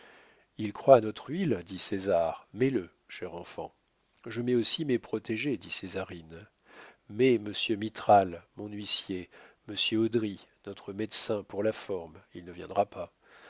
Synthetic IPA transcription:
ilkχwaːnɔt̪χild̪isezaʁmɛlə | ʃɛʁɑ̃fɑ̰̃ | ʒəmɛosimepχɔt̪eʒed̪isezaʁin | mɛməsjømit̪χalmɔ̃nɥisjeməsjøod̪ʁinɔt̪χəmɛd̪sɛ̃puʁlafɔʁmilnəvjɛ̃d̪ʁapa

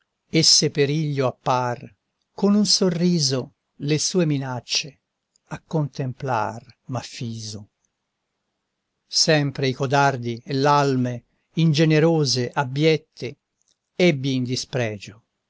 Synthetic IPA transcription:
esːepeɾiʎːoapːar | konunsorːiːzo | lesuːeminat͡ʃːe | akːont̪empla̰rmafːiːzo | sɛmpɾeikod̪ard̪ielalme | ind͡ʒeneɾoːzeʔabjɛt̪ʰːe | ɛbːiːnd̪ispɾɛːd͡ʒo

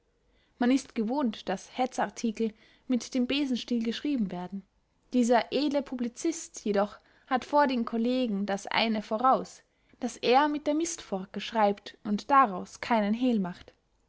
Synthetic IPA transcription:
manɪstɡ̥əvoːntd̥ashɛt͡saʁtʰiːkl̩ | mɪtd̥eːmbeːzn̩ʃtiːlɡəʃʁ̥iːbm̩veːɐdn̩ | d̥iːzɐʔeːdləpʰublit͡sɪstjedɔχ | hatfoːɐdeːmkʰɔleːɡŋ̩dasʔa̰ɪnəfoːʁaʊs | d̥asʔeːɐmɪt̚d̥eːɐmɪstfɔɐkəʃʁ̥aɪptʔʊntd̥aʁaʊskʰaɪnənɦeːlmaχt

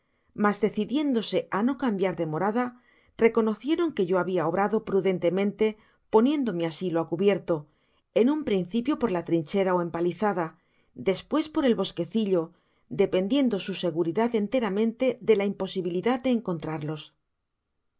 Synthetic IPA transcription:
mazðe̞θiðje̞nd̪o̞se̞ʔano̞kambjaɾðe̞mo̞ɾaða | re̞ko̞no̞θje̞ɾo̞ŋke̞ʝo̞aβiao̞βɾaðo̞pɾuðe̞nt̪e̞mẽnt̪e̞ | po̞njẽ̞nd̪o̞measiloakuβje̞ɾt̪o̞ | e̞numpɾin̟θipjo̞po̞ɾlat̪ɾint͡ʃe̞ɾaoe̞mpaliθaða | d̪e̞spwe̞spo̞ɾe̞lβo̞ske̞θiʎo̞ | d̪e̞pe̞nd̪je̞nd̪o̞suse̞ɣuɾiðaðe̞nt̪e̞ɾamẽ̞nt̪e̞ðe̞laimpo̞siβiliðaðd̪e̞ːŋko̞nt̪ɾaɾlo̞s

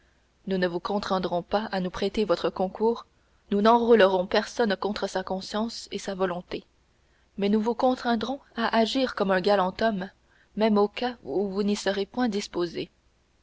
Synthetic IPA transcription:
nunəvukɔ̃t̪χɛ̃d̪ʁɔ̃paanupχet̪evɔt̪χəkɔ̃kʰuːʁ | nunɑ̃ʁuləʁɔ̃pɛʁsɔnkɔ̃t̪χəsakɔ̃sjɑ̃sesavɔlɔ̃t̪e | mɛnuvukɔ̃t̪χɛ̃d̪ʁɔ̃aʔaʒiːʁkɔmɛ̃ɡalɑ̃t̪ɔmː | ɛmokauvunisəʁepwɛ̃d̪ispoze

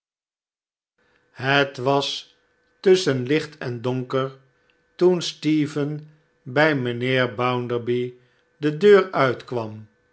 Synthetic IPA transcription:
hətʋɑs | tɵsənlɪχtʰɛndoŋkəɹ | tunstiːvən | bɛjməneːɹbawndəɹbi | dədøːɹœɥtkʋɑm

